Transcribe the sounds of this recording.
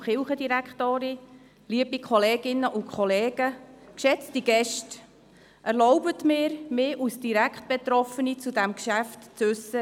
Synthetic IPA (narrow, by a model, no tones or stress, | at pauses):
χɪlχədiɾækχtoːɾi | liəbikʰχɔleːɡɪnːəʔʊkʰχɔleːɡ̥əkʃɛt͡stiɡ̥ɛʃt | ʔæɾlɔʊbətmɪːɾmɪːʔusd̥iɾækχt̚b̥et̪ɾɔfənit͡sudæmkʃæftt͡sʉsə